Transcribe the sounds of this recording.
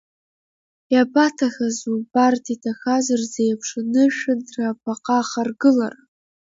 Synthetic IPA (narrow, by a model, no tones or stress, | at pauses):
japatʰaxazubartʰitʰaxazarzejapʰʂanɨʃᶣɨnrapʰaqʼaχarɡɨla̰r